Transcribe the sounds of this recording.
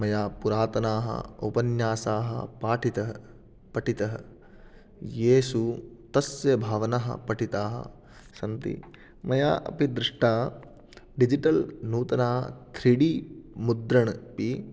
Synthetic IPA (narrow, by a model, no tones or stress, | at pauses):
mɐjaːpuɾaːt̪ɐnaːɦɐ̰o̰pɐnjaːsaːɦɐ̰paːʈʰit̪ɐɦɐ | pɐʈit̪ɐɦɐ̰ | jeːsut̪ɐsjɐbʱaːʋɐnaɦɐ̰pɐʈit̪aːɦɐ̰ | sɐnt̪ḭ | mɐja̰ːʔɐ̰pid̪ɾɪʂʈaː | ɖid͡ʒiʈɐlnuːt̪ɐnaːɦɐt̪ʰɾiɽimud̪ɾɐɳpi